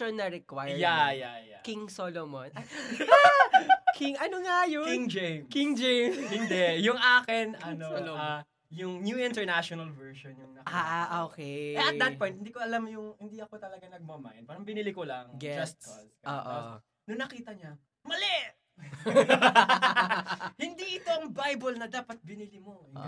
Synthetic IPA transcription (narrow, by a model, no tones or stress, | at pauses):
onːɐɾɛkwajjajajakiŋsolomonɐa | kʰiŋʔɐnoŋajʊŋd͡ʒejmkiŋd͡ʒejmshɪnd̪ɛjʊŋʔaːkɪnɐnoloa | jʊŋnjuɪ̃nt̪ɛɹnaʃonɐlvɛɹʃonjʊŋnɐʔaːʔʔoːkɛjɐtd̪ɐt̪̚pɔj̃nhɪnd̪iːkoɐlamjʊŋhɪnd̪iɐkot̪ɐlɐɡanɐɡ̚mɐma̰jnpaːɾɐŋbɪnilikolɐŋɡɛd͡ʒɐst̪lo̰ːʔo | nʊŋnɐkiːt̪ɐɲa | mɐlɛʔ | hɪnd̪iʔɪt̪oɐŋbajbɐlnɐd̪aːpɐt̪̚bɪnilimo̰